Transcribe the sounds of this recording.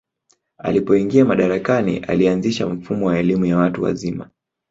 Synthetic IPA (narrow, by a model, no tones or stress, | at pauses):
a̰lipɔiŋɡiamaɗaɾakanḭʔa̰lianziʃam̩fumɔwaɛlimujawatuwa̰zima